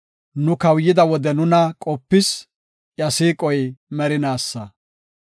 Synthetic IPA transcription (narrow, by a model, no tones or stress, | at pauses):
nʊkɐwjːɪd̪ɐwɔd̪ɛnʊnɐkʼɔpːɪs | ʔjɐsiːkʼɔjmɛɾɪnaːsːɐ